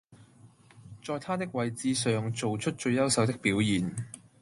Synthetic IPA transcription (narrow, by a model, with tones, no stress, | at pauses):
t͡ʃɔː˨˧jt̪ʰaː˥t̪̬ɪ˥k̚wɐ˨˧jt͡siː˧sœː˨ŋt͡so˨wt͡ʃʰɵ˥t̚t͡ʃɵ˧ɥjɐ˥wsɐ˨˥wt̪ɪ˥k̚piː˨˥wjiː˨˩n